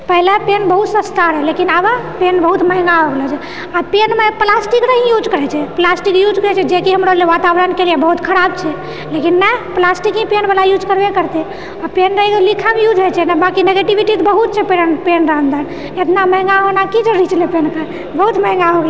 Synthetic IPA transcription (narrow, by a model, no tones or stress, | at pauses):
pəɦilepenbəɦut̪səst̪aɾɦɛlekinabapenbəɦut̪məɦŋɡaɦoɡlɛt͡ʃʰɛ | apenmeplasʈiknəɦĩjud͡ʒkəɾɛt͡ʃʰɛplasʈikjud͡ʒkəɾɛt͡ʃʰɛd͡ʒekiɦəmɾəleʋat̪abɾənkelijɛbəɦut̪kʰəɾabt͡ʃʰɛ | lekinːɛplasʈikɦĩpenbalajud͡ʒkəɾbekəɾt̪e | apenɾəikelikʰamejud͡ʒɦet͡ʃʰɛnɛbakineɡeʈibiʈit̪bəɦut̪̚t͡ʃʰɛpenpenɾəɦə̃nd̪ən | et̪naməɦŋɡaɦonakid͡ʒəɾit͡ʃlepenkə | bəɦut̪məɦŋɡaɦoɡl